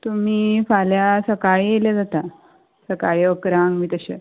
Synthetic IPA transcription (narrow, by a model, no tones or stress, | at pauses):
t̪um̤iːfaljasəkaɭieljad͡zat̪a | səkaɭiəkɾaŋɡmiːt̪əɕḛ